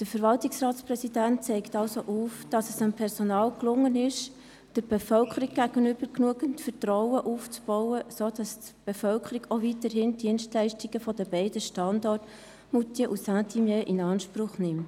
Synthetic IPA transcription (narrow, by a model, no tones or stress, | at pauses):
d̥əfəɾvɑltɪksrɑːtsprɛsidænt̚t͡sɛɪktɑlsoʔuːfd̥ɑsəsənpʰɛɾsonɑːlklʊŋːənɪʃ | d̥əɾb̥ɛfœlkʰəɾik̚ɡ̥æɡ̥ənʏb̥əɾknuəɡəntfətrɔʊəʔuːft͡sb̥ɔwəsoːd̥ɑst | b̥efœlkʰəɾiɡovitəɾɦɪnd̥iənstlæɪʃtiɡəfɔdəbɛɪdəʃtɑndɔrt | mutjəʔusætʰimjeʔɪnɑːnʃprʊχnɪmt